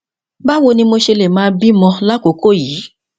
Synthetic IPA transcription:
ba˦wo˧nĩ˧mo˧ʃe˧le˨mãː˨˧bi˦mɔ̃˧la˦ko˨˦ko˦˨jiː˨˦

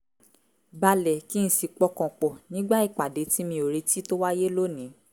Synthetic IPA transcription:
ba˧lɛ˨ki˦n̩˦si˨˧k͡pɔ˧kɔ̃˨k͡pɔ˨nĩ˨˦ɡ͡ba˦i˦˨k͡pa˨de˨˦ti˦mĩ˧o˨ɾe˧ti˦to˦wa˦je˦lo˦nĩ˨˦

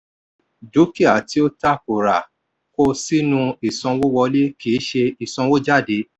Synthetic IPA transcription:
do˨˦ki˦˨a˨ti˨˦o˦ta˦ko˨ɾa˨ | ko˦si˦nũ˧i˨sɔ̃˧wo˦wɔ˧le˦ki˨˦ʃe˧i˨sɔ̃˧wo˦d͡ʒa˦˨de˨˦

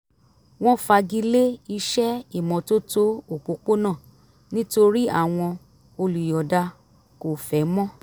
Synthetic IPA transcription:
w̃ɔ̃˦fa˧ɡi˧˦le˦i˧ʃɛ˦i˦˨mɔ̃˨to˦to˦o˨k͡po˨˧k͡po˦nã˦˨ | nĩ˦to˧ɾi˦a̰˦˨w̃ɔ̃˧ | o˧lu˨jɔ˨da˧ | ko˨fɛ˨˦mɔ̃˦

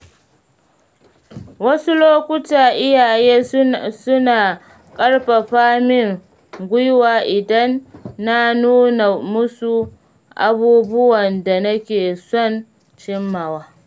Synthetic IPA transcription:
wɐ˦su˦loː˦kʷʊ˦taː˨ʔɪ˦jaː˨jeː˦sʊ˦naː˨ | kʼɐ˦ɽɸa˨ɸaː˦mɪ˦ŋ | ɡʷʊ˦jwaː˨ʔɪ˨dɐ˦nːa˦nuː˦na˨mʊ˦su˨ | ʔa̰˨buː˦bʊ˦wɐ˨nda˨nɐ˦kʲeː˨sɔ˦˨n | t͡ʃɪ˦mːa˨waː˦

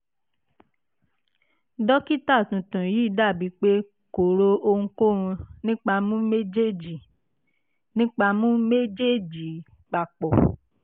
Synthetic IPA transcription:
dɔ˦ki˦ta˦˨tũ˨tũ˨ji˨˦da˦˨bi˨˦k͡pe˦ | ko˨ɾo˦o˧ŋ̩̃˧ko˦ɾ̃ũ˧nĩ˦k͡pa˧mũ˦me˦d͡ʒe˦˨d͡ʒi˨ | nĩ˦k͡pa˧mũ˦me˦d͡ʒe˦˨d͡ʒi˨ | k͡pa˨k͡pɔ˨

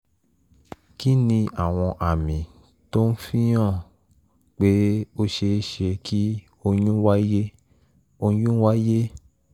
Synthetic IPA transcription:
ki˦nĩ˧a˦˨w̃ɔ̃˧ʔa˨mĩ˨ | to˦n̩˦fĩ˦j̃ã˦˨ | k͡pe˨˦o˦ʃe˧˦ʃe˧ki˦ | o˧j̃ũ˦wa˦je˦ | o˧jũ˦wa˦je˦

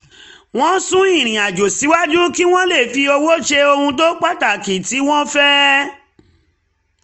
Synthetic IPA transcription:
w̃ɔ̃˦sũ˦ĩ˦˨ɾ̃ĩ˨a˨d͡ʒo˨si˨˦wa˦d͡ʒu˦ki˦w̃ɔ̃˦le˦˨fi˧o˧wo˦ʃe˧o˧hũ˧to˦k͡pa˦˨ta˨ki˨ti˨˦w̃ɔ̃˦fɛ˦

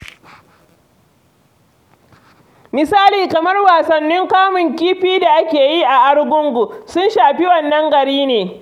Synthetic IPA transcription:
mɪ˨saː˦liː˨kɐ˨mɐ˦rwaː˨sɐ˨nːɪ˦ŋkaː˦mʊ˨ŋkʲiː˦ɸiː˦da˨ʔa˦kʲeː˨ji˦ʔa˨ʔa˦ɽɡʷʊ˦ŋɡʷu˨sʊ˦nʃaː˨ɸi˦wɐ˨nːɐ˦ŋɡɐ˨ɽiː˦neː˨

